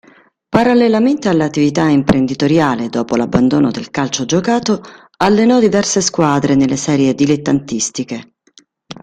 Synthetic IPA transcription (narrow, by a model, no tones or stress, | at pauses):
paɾalːelament̪ealːat̪ːivit̪aimpɾend̪it̪oɾjaːled̪ɔːpolabːand̪oːnod̪elkalt͡ʃod͡ʒokaːt̪o | alːenɔd̪ivɛrseskwaːd̪ɾenelːesɛːɾjed̪ilet̪ːant̪ist̪ike